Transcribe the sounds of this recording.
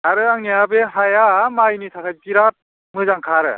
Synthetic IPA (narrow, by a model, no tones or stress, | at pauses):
aɾɯaŋniabeɦajamajnitʰakʰajpiɾat̚ | mɯzaŋkʰaɾɯ̰